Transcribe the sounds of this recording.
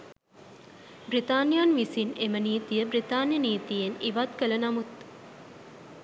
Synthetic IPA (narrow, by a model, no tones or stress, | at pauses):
brit̪aːnjanʋisineməniːt̪ijəbrit̪aːnjəniːt̪ijeniʋat̪kələnamut̪̚